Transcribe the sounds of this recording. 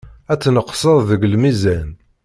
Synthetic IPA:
æt͡sːnəqsˤəðˤðəɡəlmizæn

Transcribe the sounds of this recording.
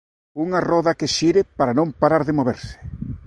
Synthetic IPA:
uŋarɔðɐkeʃiɾɪpaɾanõmpaɾaɾðɪmoβeɾsɪ̥

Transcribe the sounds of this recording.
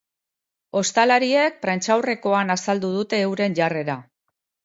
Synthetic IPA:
o̞st̪alaɾie̞k̚pɾant͡ʃawre̞ko̞anasald̪uð̞ut̪e̞ːwɾe̞nʝare̞ɾa

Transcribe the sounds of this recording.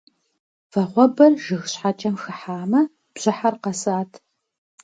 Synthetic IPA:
fɐʁʷɔbɐrʒɨxɕħat͡ʃʼɐmxɨħaːmɐ | b̥ʑ̥ɪħarqɐsɨaːtʰ

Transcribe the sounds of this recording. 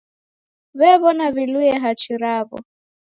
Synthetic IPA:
βɛβɔnaβiluɛɦat͡ʃiɾaβɔ̰

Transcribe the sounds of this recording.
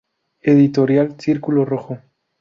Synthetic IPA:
eðit̪oɾjalθiɾkuloroxo

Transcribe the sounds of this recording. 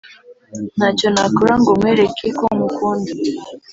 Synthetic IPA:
nhaconakoɾaŋɡomweɾekʰekomukuːndi

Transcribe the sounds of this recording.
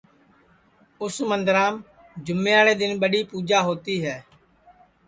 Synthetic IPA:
ʊsmənd̪əɾaːm | d͡ʒʊmẽːaːɽeːd̪ɪnɓəɗiːpuːd͡ʒaːɦoːt̪iːɦɛː

